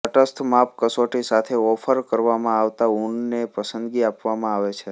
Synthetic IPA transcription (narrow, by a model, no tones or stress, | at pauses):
əʈəst̪ʰmap̚kəsoʈisat̪ʰeɔfʰəɾkəɾʋamãaʋt̪auɳnepəsənd̪ɡiapʋamãaʋet͡ʃʰe